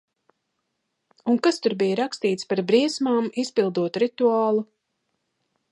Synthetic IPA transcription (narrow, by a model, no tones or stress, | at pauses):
uŋkast̪uɾbijɾakst̪iːt̪spaɾbɾiɛsmaːmispilˠd̪uɔt̪ɾit̪uaːlˠu